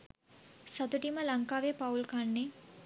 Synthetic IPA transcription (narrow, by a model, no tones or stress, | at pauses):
sɐt̪uʈiməlɐŋkaːʋepaulkanːe